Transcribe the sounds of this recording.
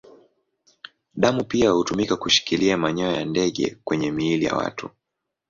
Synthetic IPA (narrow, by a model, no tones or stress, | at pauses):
ɗamupiahutumikakuʃi̥kiliamaɲɔɔjandɛɠɛ̰kwɛɲɛmiilija̰wa̰tu